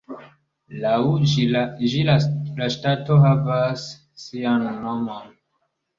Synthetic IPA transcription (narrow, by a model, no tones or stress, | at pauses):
lawd͡ʒid͡ʒilalaʃtato̞ɦavasː | ianːomon